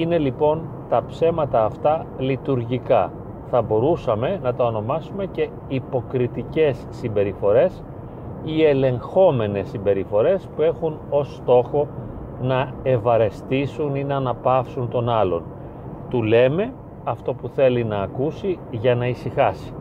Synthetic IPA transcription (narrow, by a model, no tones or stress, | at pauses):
ine̞lipo̞n | t̪ɐpse̞mɐt̪ɐːft̪ɐlit̪uɾʝikɐ̰ | θɐbo̞ɾusɐme̞nɐt̪ɐo̞no̞mɐsume̞ce̞ | ipo̞kɾit̪ice̞sːimbe̞ɾifo̞ɾe̞s | ie̞le̞ŋxo̞me̞ne̞sːimbe̞ɾifo̞ɾe̞spue̞xuno̞st̪o̞xo̞ | nɐe̞vɐɾe̞st̪isuninɐːnɐpɐfsunt̪o̞nɐlo̞̰n | t̪ule̞me̞ | ɐft̪o̞puθe̞linɐːkusiʝɐnɐisixɐsi̥